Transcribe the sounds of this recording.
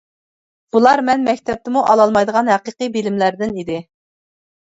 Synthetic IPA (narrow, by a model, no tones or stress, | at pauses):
b̥ulˠɑɾmɛnmɛkʲt̪ʰɛp̚t̪ɪmuʔɑlˠɑlˠmɑjd̪əʁɑnhæqɨqɨbilɪmlæɾd̪ɪnid̪ɪ